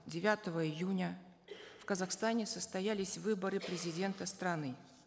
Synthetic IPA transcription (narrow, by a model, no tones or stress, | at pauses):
dʲɪvʲat̪əvəɪjunʲə | fkəzaxst̪anʲɪsəst̪ɐjælʲɪsʲvɨbəɾɨpɾʲɪzʲɪdʲe̞nt̪əst̪ɾɐnɨ